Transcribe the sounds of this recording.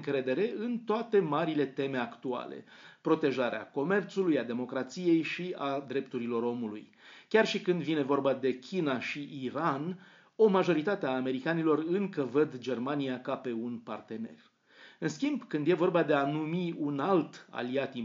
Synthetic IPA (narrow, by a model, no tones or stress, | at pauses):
ŋkɾe̞d̪e̞ɾe̞ɨnt̪oat̪e̞maɾile̞t̪e̞me̞akt̪ua̰lḛpɾo̞t̪e̞ʒaɾea̰ko̞me̞rt̪sulujad̪e̞mo̞kɾat̪sije̞jʃiad̪ɾe̞pt̪uɾilo̞ɾo̞mulṵj | kʲarʃikɨnd̪vine̞vo̞rbad̪e̞kʲʰinaʃiiɾan | o̞maʒo̞ɾit̪at̪eaːme̞ɾikanilo̞rɨŋkəvəd̪d͡ʒe̞rmanijakape̞unpa̰rt̪e̞ne̞̰r | ɨnskʲimbkɨnd̪je̞vo̞rbad̪e̞anumiunalt̪a̰liat̪i